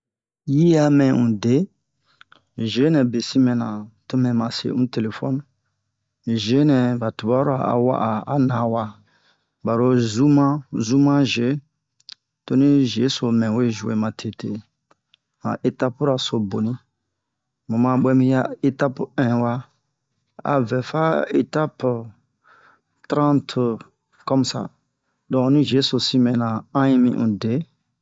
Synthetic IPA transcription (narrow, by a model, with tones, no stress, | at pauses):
ji˦a˨mɛ̃˨ũ˨de˨˦˨ | ʒe˨˦nɛ̃˨be˨si˦mɛ̃˨nã˨tu˦mɛ̃˨mã˨sḛ˨˦ũ˦te˨le˨fɔ˦n˦˨ | ʒe˨˦nɛ̃˨ba˨tu˨ba˦ɾa̰˨a̰˨wa̰˦ʔa˨a˨˦nã˨˦wa˦ | ba˨ɾo˦zu˦mã˦zu˦mã˦ʒe˨˦ | to˦nĩ˦ʒe˨˦so˨mɛ̃˨we˦ʒu˨ḛ˨mã˨tʰe˨te˨ | mã̰˨ʔe˨ta˦pu˦ɾa˨so˨bo˨nĩ˦ | mõ˨mã˨ɓɛ˦mĩ˦ja˦e˦ta˦pɛ̃˨wa˧ | a̰˨vɛ˨fa˦ḛ˨ta˦p | tɾã˦ntʰ | kɔ˦m˨sa̰˨ | dɔ̃˨nĩ˦ʒe˨˦so˨si˦mɛ̃˨nã˨ã˦jĩ˦mḭ̃˦ʔũ˨de˨˦